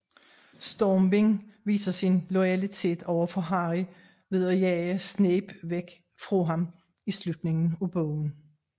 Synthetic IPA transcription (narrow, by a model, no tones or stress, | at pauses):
sd̥ɒːmbe̝ŋʋḭːsɐsinlɔɪælit͡sʰe̝̰ːd̥ɒʊ̰ɐfɒ̽ɦɑ̈ʁi | ʋe̝ðˠɒjɛɪsneːb̥ʋeɡ̥ | fʁɔɦɑ̈m | islud̥ne̝ŋn̩ub̥ɔʊn̩